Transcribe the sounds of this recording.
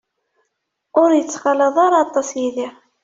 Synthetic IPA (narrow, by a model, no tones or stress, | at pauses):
ʊɾjət͡sːχɑlɑðˤaɾɑɑt̪ˤːɑsjiðiʁ